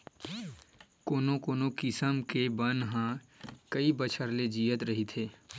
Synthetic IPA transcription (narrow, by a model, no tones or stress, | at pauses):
koːnokoːnokɪsəmkebənɦãkəibət͡ʃʰəɾled͡ʒiːət̪ɾɐɦit̪ʰeː